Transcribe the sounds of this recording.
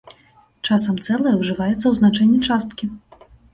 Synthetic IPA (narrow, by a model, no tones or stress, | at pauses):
t͡ʂasɐmt̪sɛlˠɨjɐwʐɨvajɛt̪sːɐwznat͡ʂɛnʲːit͡ʂast̪kʲi